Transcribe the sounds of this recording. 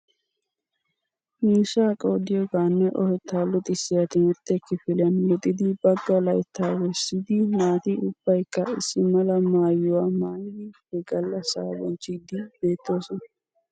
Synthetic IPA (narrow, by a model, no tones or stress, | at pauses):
miːsaːkʼoːd̪ɪjɔɡaːnːɛʔɔhɛt̪ʰːaːlːʊt̪ʼɪsːɪjat̪ɪnɔt̪ːɛkːɪfɪljɐnwɔt̪ʼːɪd̪ɪbɐɡːɐlɐjt̪ʰːaːwɛsːid̪ɪnaːt̪iʊb̥ːɐjkːɐɪsːɪmɐlɐmaːjːʊwaːmaːjjɪ | ɪɡɐlːɐsaːwɔ̰nt͡ʃːɪɡd̪ɪbe̞ːt̪ːo̞ːsɔnɐ